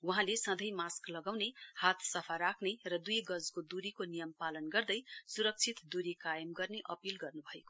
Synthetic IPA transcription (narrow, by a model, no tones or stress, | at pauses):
wuɦãlesʌ̃d̪ʱʌjmasklʌɡawnehat̪ʰsʌpʰaɾakʰnerʌd̪ujɡʌd͡zkod̪uɾikonijʌmpalʌnɡʌrd̪ʌjsuɾʌk̚t͡sʰit̪d̪uɾikajʌmɡʌrneʔʌpilɡʌrnubʱʌeko